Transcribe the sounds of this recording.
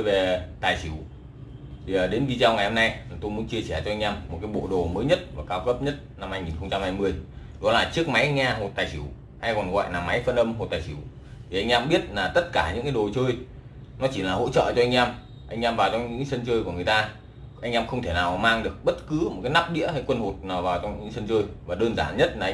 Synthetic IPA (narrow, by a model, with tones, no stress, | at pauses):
ə˧jve˨˩t̪aː˨˩jsi˧˩əw | t̪ʰiː˨˩˨ɗe˨˦nvi˧zaː˧wŋa˨˩jho˧na˧jlaː˨˩t̪o˧jmu˨˦ənt͡ɕi˧əsɛ˧˩t͡ɕɔ˧ʔa˧ŋʔɛː˧mː˨˩t̚kaː˨˦jɓo̰˧˨ɗo˨˩məː˨˦jɲə˦˥t̚maː˨˩kaː˧wkə˦˥p̚ɲə˦˥t̚na˧mhaː˧jŋi˨˩nxə˧wŋ͡mt͡ɕa˧mhaː˧jmɨ˧əj | ɗɔ˨˦laː˨˩t͡ɕɨ˦˥ək̚ma˨˦jŋɲaː˧ɦo˨˩t̚t̪aː˨˩jsi˧˩w | haː˧jkɔ˨˩nɣɔ̰˧˨jnaː˨˩ma˨˦jfə˧nʔə˧mɦo˨˩t̚t̪aː˨˩si˧˩w | t̪ʰi˨˩ʔa˧ŋ̟ʔɛː˧mɓi˦˥ət̚laː˨˩t̪ə˦˥t̚kaː˧˩ɲɨ̰˧˥ŋka˨˦ɗo˨˩t͡ɕəː˧j | nɔ˨˦t͡ɕi˧˩laː˨˩ɦo̰˧˥t͡ɕə̰ː˧˨t͡ɕɔ˧ʔa˧ŋ̟ʔɛ˧m | ʔa˧jŋ̟ʔɛ˧mvaː˨˩wt͡ɕɔ˧wŋ͡mɲɨ̰˧˥ŋ˦sə˧nt͡ɕəː˧jku˧˩əŋɨ˨˩əjt̪aː˧ | ʔa˧jŋ̟ʔɛː˧mxə˧wŋ͡mt̪ʰe˧˩naː˨˩wmaː˧ŋɗɨ˨˩ək̚ɓə˦˥t̚kɨ˨˦mo˨˩t̚kaː˨˦jna˦˥p̚ɗḭ˧˥əha˧˩jkwə˧nho˨˩t̚naː˨˩wvaː˨˩wt͡ɕɔ˧wŋ͡mɲɨ̰˧˥sə˧nt͡ɕəː˧jvaː˨˩ɗəː˧nzaː˧˩nɲə˦˥t̚laː˨˧